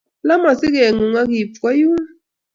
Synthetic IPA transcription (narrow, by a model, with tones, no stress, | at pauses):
la˦ma˨si˦ɣɛ˨ŋu˨ŋa˦ki˨pa˦ju˦